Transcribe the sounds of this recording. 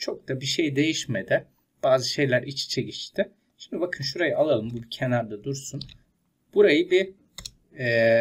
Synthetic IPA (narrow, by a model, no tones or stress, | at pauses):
t͡ʃʰo̞k̚t̪abiʃe̞jd̪e̞jiʃmed̪ɪ | b̥aːzɯʃe̞jlʲæɾʔit͡ʃt͡ʃʰe̞cit͡ʃt̪ʰɪ | ʃimd̪ibakʰɯnʃuɾajɯalˠalˠɯmbubicʰenaɾd̪ad̪uɾsun | b̥uɾajɯbi | ɛː